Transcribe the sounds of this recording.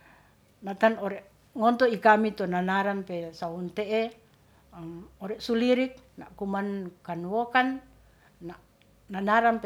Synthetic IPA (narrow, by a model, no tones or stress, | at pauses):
nat̪anɔɾɛʔ | ŋɔnt̪ɔikamit̪ɔnanaɾampesaunt̪eʔe | mɔɾɛʔsuliɾik̚na̰ʔkumankanwokanː | aʔ | nanaɾampe